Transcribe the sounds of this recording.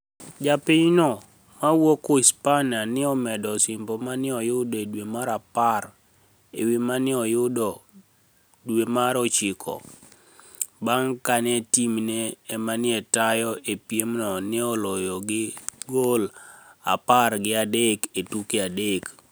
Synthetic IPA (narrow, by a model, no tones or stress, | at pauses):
d͡ʒapɪɲnɔ | mawokoispananɪɔmɛdɔsimbomanɪɔjʊdedwemaɾapar | ewimanɪɔjʊdɔ | dwemaɾɔt͡ʃɪkʰɔ̰ | baŋkanetimneːmanɪɛtajɔepjemnɔnɪɔlɔjɔɡɪɡola̰parɡɪadeketukeadek